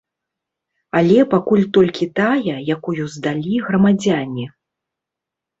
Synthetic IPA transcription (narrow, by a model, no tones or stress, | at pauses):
alʲɛpakulʲt̪ɔlʲkʲit̪ajɐjakujuzd̪alʲiɣrɐmad͡zʲanʲi